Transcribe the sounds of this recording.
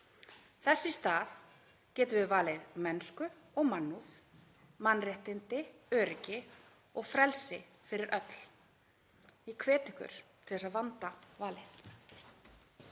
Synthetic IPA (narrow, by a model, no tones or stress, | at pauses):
θɛsːɪst̪aːð | cɛːt̪ɪvɪðvaːlɪðmɛnskʏ | ɔɣmanːuθ | manːrɪht̪ɪnt̪ɪœːɾɪcɪ | ɔɣfɾɛlsɪ | fɪɾɪɾʔœt̪l | ikʰvɛːt̪ɪhkʏ̰ɾ̥t̪ʰɪlɛsaðvant̪avaːlɪθ